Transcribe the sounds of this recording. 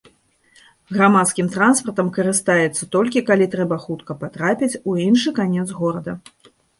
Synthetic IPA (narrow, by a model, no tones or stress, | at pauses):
ɣɾamat̪skʲimt̪ɾanspɐrt̪ɐmkɐɾɨst̪ajɛt̪sːɐt̪ɔlʲkʲikalʲit̪ɾɛbɐxut̪kɐpat̪ɾapʲit͡sʲuinʂɨkanʲɛt̪zɣɔɾɐd̪ɐ